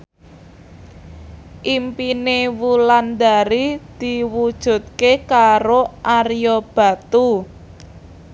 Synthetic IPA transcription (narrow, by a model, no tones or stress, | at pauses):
ʔimpinewuland̪aɾid̪̥iwud̥ʒ̥ṳt̪̚kekaɾoʔarjɔb̥a̤t̪u